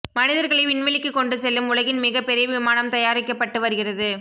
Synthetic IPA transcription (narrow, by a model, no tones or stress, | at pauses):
mɐnɪðɐɾɣɐɭɐɪʋɪɳʋɐlɪkːɯkːɔɳɖɯsɛlːɯmʊlɐɣɪnmɪɣɐpːɛɾɪjɐʋɪmaːnɐmt̪ɐjaːɾɪkːɐpːɐʈːɯʋɐɾɯɣɪrɐðɯ